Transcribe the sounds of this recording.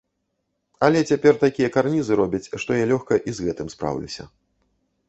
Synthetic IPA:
ɐlʲɛt͡sʲapʲɛrt̪akʲijɐkarnʲizɨɾɔbʲɐt͡sʲʂt̪ɔjɛlʲɔxkɐʔizɣɛt̪ɨmspɾa̰wlʲḭsʲɐ̰

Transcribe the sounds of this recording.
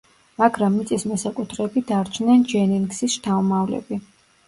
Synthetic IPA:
maɡɾamːit̪sʼismɛsakʼut̪ʰɾɛbid̪aɾt͡ʃʰnɛnd͡ʒɛninksisʃt̪ʰaumavlɛ̰bi

